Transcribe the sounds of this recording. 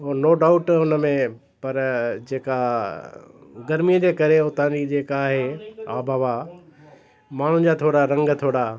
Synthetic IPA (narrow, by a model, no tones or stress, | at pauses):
ɦoːnoːɖaːʊʈʊnəmẽ | pɐɾd͡ʑeːka | ɡɐɾmijəd͡ʑeːkɐɾeʊt̪ãːd͡ʑid͡ʑeːkaːɦea̰ːbʱaːʋa | maːɳ̤ʊ̃d͡ʑaːt̪ʰoːɽaɾɐ̃ŋɡt̪ʰoːɽa